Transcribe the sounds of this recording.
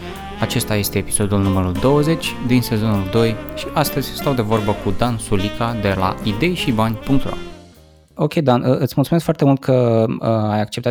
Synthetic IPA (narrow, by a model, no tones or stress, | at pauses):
at͡ʃe̞st̪aje̞st̪e̞ːpi̥so̞d̪ulnuməɾuld̪o̞wəze̞t͡ʃʲd̪inse̞zo̞nuld̪o̞jʃiʔast̪əzʲst̪awd̪e̞vo̞rbəkud̪ansulikad̪e̞la̰id̪e̞jʃibanʲpuŋk̚t̪ɾa̰ | o̞kʲe̞jd̪anəɨt̪sʲmultsumeskfoart̪e̞mult̪̚kʰə | ajak̚t͡ʃept̪a